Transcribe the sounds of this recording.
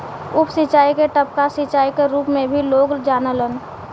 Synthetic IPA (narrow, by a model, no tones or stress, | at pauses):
ʊpsɪt͡ʃaːikeʈəp̚kasɪt͡ʃaːikeɾuːpmẽbʱiloːɡd͡ʒaːnələn